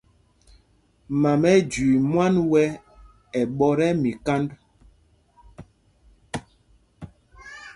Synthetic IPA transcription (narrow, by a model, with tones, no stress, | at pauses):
ma˨mɛ˦d͡ʒwi˨mwa˦nwɛ˦ | ɛ˨ɓɔ˦ɾɛ˦mi˨ka˦nd